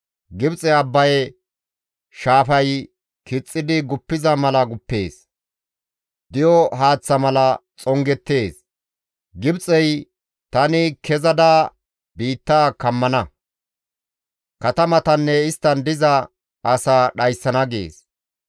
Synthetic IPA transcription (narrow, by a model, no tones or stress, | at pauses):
ɡɪbt͡sʼɛɐbːɐj | ʃaːfɐj | kɪt͡sʼːɪd̪ɪɡʊpːɪzɐmɐlɐɡʊpːe̞̰ːs | d̪̥ɪjɔɦaːt͡sːɐmɐlɐt͡sʼɔŋɡɛt̪ːe̞ːs | ɡɪbt͡sʼɛj | t̪ɐnɪkʰɛzɐd̪aː | biːt̪ːaːkɐmːɐnɐ | kɐt̪ɐmɐt̪ɐnːɛɪst̪ːɐnd̪ɪzɐ | ɐsaːɗɐjsːɐnɐɡḛːs